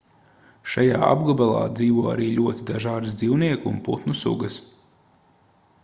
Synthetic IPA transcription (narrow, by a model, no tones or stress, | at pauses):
ʃajaːa̰bɡɔbalˠɑ̰ːd̪ziːʋuɔa̰ɾiːʎʲuɔt̪id̪aʒaːd̪ɨsd̪ziwniɛkunput̪nusṵɡəs